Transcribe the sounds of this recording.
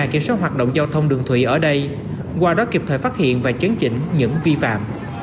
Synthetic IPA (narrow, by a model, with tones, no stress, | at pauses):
ki˧˩əmswaː˦˥t̚ɦwaː˨˩t̚ɗo̰˧˨wŋ͡mzaː˧wt̪ʰə˧wŋ͡mɗɨ˨˩əŋt̪ʰwḭ˧˨ʔəː˧˩ɗə˧j | kwaː˧ɗɔ˨˦ki˨˩p̚t̪ʰəː˧˩faː˦˥t̚hḭ˧˨ənvaː˨˩t͡ɕi˨˦nt͡ɕï˧˥ŋ̟ɲɨ̰˧˥ŋvi˧fa̰ː˧˨m